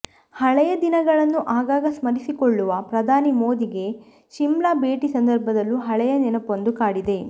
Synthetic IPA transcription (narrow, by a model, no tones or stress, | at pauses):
hɐɭɛjɐd̪inɐɡɐɭɐnːuʔaːɡaːɡɐsmɐɾisikoɭːuʋɐpɾɐd̪ʱaːnimo̞ːd̪iɡe̞ | ʃimlabe̞ːʈisɐnd̪ɐɾbʱɐd̪ɐlːuɦɐɭɛjɐnɛnɐpo̞nd̪ukaːɽid̪e̞